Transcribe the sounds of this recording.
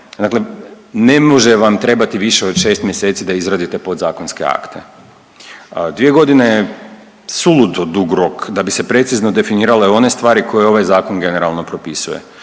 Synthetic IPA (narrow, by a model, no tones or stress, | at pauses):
d̪akle | ne̞mo̞ʒe̞ʋamt̪ɾe̞bat̪iʋiʃe̞o̞d̪ʃe̞st̪mjese̞ːt̪sid̪aizɾaːd̪it̪e̞po̞d̪zaːko̞nske̞̰a̰kt̪ʰe̞ | d̪ʋije̞ɡo̞d̪ineje | sulˠut̪od̪uɡɾo̞kd̪abise̞pɾe̞t̪sizno̞d̪e̞finiːɾale̞o̞ne̞st̪ʋaːɾiko̞jeo̞ʋajzaːko̞nɡe̞neɾalˠno̞pɾo̞pisuje̞̰